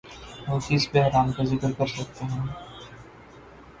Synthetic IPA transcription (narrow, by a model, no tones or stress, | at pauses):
ɦoːfiːsbɛɦɾaːmkazɪkɾkɐɾsɐk̚t̪eɦɛ̃ː